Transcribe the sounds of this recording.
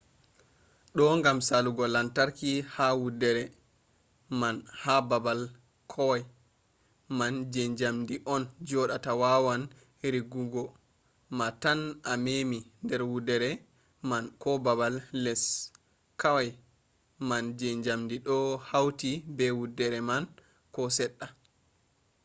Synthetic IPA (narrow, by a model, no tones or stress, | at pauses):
ɗɔŋɡamsaluɡɔlantaɾkihawudɛɾɛ | manhababal | kʰɔwaj | mand͡ʒɛɲd͡ʒamdiʔɔnd͡ʒɔɗatawawan | ɾiɡuɡɔ | matanʔamemindɛɾwudɛɾɛ | mankɔbabalːɛs | kawaj | mand͡ʒeɲd͡ʒamdiɗɔhawtibɛwudːɛɾɛman | kɔsɛɗːa